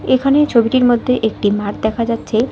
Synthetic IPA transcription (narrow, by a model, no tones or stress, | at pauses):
ekʰanet͡ɕʰobiʈiɾmod̪ʱːeʔekʈimaɾʈd̪ɛkʰad͡ʑatːɕʰe